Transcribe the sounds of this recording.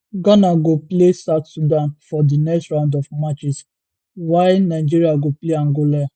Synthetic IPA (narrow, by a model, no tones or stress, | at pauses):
ɡɔ̃naɡoplesaʊtsudãnfɔdinɛkstɹãndɔfmat͡ʃis | waɪnaɪd͡ʒiɹiaɡopleãŋɡolaa